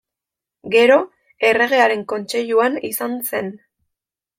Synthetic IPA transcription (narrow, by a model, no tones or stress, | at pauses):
ɡe̞ɾo̞ | e̞re̞ɣ̞e̞aɾe̞ŋko̞nt͡ʃe̞ʎuanisanse̞n